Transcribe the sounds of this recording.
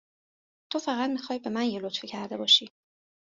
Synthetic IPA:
t̪ʰofæɣætd̪mixɒːjbe̞mænjelot̪ficʰæɾd̪e̞bɒːʃiː

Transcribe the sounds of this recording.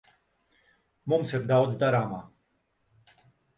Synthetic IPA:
mɔmsɛb̚d̪awd̪d̪ɐɾaːmɐ

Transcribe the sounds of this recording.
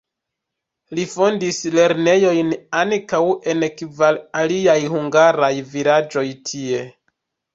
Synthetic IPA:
lifo̞ndisle̞ɾne̞jo̞jnaŋkawe̞nekvalaliajhuŋɡaɾajvilad͡ʒo̞jtʰie̞

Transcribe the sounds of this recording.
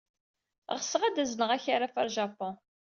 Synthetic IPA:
ʁsəʁad̪æznəʁæçaɾafæɾʒapːɔ̃

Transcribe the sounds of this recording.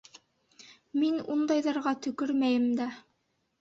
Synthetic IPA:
minund̪ɑjðɑɾʁɑt̪ɵ̆kɵɾmæjɘmd̪æ

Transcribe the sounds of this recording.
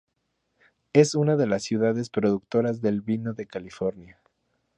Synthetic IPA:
e̞sunaðe̞lasːjuðaðe̞spɾo̞ðuk̚t̪o̞ɾazðe̞lβino̞ðe̞kalifo̞ɾnja

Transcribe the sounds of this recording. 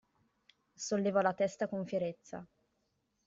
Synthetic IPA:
solːeːvɔlat̪ɛst̪akoɱfjeɾet̪sːa̰

